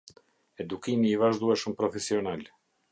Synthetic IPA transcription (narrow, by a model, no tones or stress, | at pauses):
ɛd̪ukimiːvaʒd̪uɛʃəmpɾɔfɛsiɔnal